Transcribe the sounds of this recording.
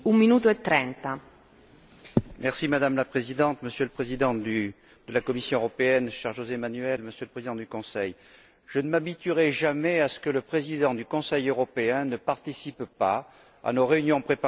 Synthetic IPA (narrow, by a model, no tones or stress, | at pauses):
umminuːt̪oet̪ːɾɛnt̪a | mɛʁsimad̪amlapχezid̪ɑ̃t̪məsjələpχezid̪ɑ̃d̪y | d̪̥əlakɔmisjɔ̃øʁɔpeɛnʃɛʁʒozɛmanyɛlməsjələpχezid̪ɑ̃d̪ykɔ̃sɛj | ʒ̥ənəmabit̪yʁɛʒamɛasə̥kələpχezid̪ɑ̃d̪ykɔ̃sɛjøʁɔpeɛ̃nəpaʁt̪isippa | a̰noʁeynjɔ̃pχepa